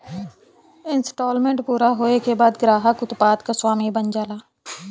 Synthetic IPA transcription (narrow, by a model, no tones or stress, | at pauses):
ɪnsʈoːlmẽɳʈpuːɾaɦoːekebaːd̪ɡɾaːɦəkʊt̪paːt̪kaswaːmibənd͡ʒaːlaː